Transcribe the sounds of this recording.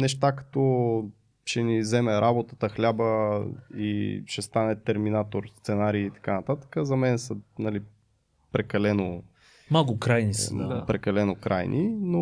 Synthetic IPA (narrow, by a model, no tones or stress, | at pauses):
nɛʃt̪akɐ̥t̪ɔ | ʃɛnizɛmɛɾʔabot̪ə̥t̪əxlʲabə | ḭʃɛst̪anɛt̪ɛɾminat̪oɾst̪sɛnaɾiːt̪ɐ̥kanɐt̪at̪ə̥kəzɐmɛnɛsənɐli | pɾɛkɐlɛno | maɡʊkɾajnisəapɾɛkɐlɛnokɾajnʔino